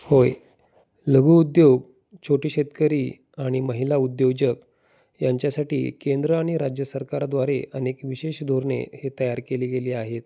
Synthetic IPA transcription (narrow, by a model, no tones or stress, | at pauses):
hoj | ləɡʱuːud̪joɡ | t͡ɕʰoʈiːɕet̪kəɾiː | aɽ̃iməɦilaud̪jod͡ʑək | jaɲt͡ɕjasaʈḭːkend̪ɾəaɽ̃iɾad͡ʑjəsəɾkaɾad̪ʋaɾeʔənekʋiɕeɕd̪ʱoɾɳḛhet̪əjaɾkeliːɡeliːaɦet̪̚